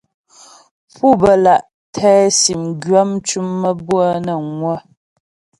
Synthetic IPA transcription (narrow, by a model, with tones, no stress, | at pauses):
pʰu˦˨bə˨la˨ʔ | tʰɛː˦si˨mɡɥa˦mt͡ʃu˦mːə˦bwa˦nə˨ŋwə˦